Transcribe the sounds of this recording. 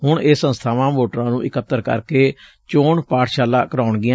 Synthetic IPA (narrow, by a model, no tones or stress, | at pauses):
ɦʊɳeːsːə̃nst̪ʰaːʋãːmoːʈɾãːnũːʔɪkət̪ːəɾkə̰ɾkeː | t͡ʃoːɳpaːʈʃaːlaːkəɾaːʊɳɡɪã